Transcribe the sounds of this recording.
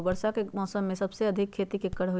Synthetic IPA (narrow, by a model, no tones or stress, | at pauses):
bɐɾʃakemɔːsəmːẽsɐbseɐd̪ʱɪkʰːeːt̪ikekːəɽɦo